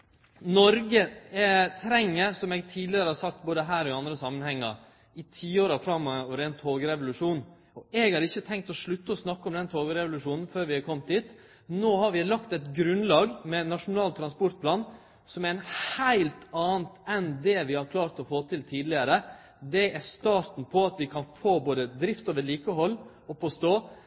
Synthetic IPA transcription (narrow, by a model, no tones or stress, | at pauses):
nɔɾɡə | t̪ʰɾɛŋːəɾsɔmɛɡt̪ʰiːd̪lɪəɾəhɑɾsɑkt̪̚boːd̪əɦæːɾɔɪɑnd̪ɾəsɑmːənhɛŋːə | ɪt̪ʰiːoːɾɑfɾɑmːɔɔʋəɾɛnt̪ʰoːɡəɾɛʋʊlʉʂuːn | ɔɛɡhɑɾɪçːət̪ʰɛŋkt̪ɔʂɭʉt̪ːəɔsnɑkːəɔmd̪ɛnt̪ʰoːɡəɾɛʋʊlʉʂuːnn̩føːɾʋɪɑɾkʰɔmt̪̚d̪iːt̪ | noːhɑɾʋɪlɑkt̪ɛt̪ɡɾʉnlɑːɡmɛnɑʂʊnɑːlt̪ʰɾɑnspɔɾt̪̚pʰlɑːn | sɔmæɾɛnhhæɪlt̪ɑːnt̪ɛnd̪ɛʋɪhɑɾkʰlɑːɾt̪ɔfoːt̪ʰɪlt̪ʰiːd̪lɪəɾə | d̪ɛæst̪ɑːɾt̪n̩pʰɔɑt̪ʋɪkʰɑnfoːboːd̪əd̪ɾɪft̪oːʋəɾɭiːkəɦɔlː | ɔpʰɔst̪oː